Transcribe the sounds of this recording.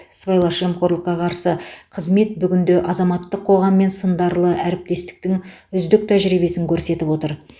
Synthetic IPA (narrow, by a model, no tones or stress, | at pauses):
svajlˠɑʃemqoɾlˠəqːɑqʰɑɾsəqʰəzme̞t̪̚bʏɡʲɪnd̪eʔɑzɑmɑt̪ːəqʰːo̞ʁɑmːe̞nsənd̪ɑɾlˠəʔæɾɪp̚t̪e̞st̪ɪ̥k̚t̪ɪŋʏzd̪ɪk̚t̪ʰæʒɾijbe̞sɪŋkʲʰɵɾse̞t̪ɪpwo̞t̪əɾ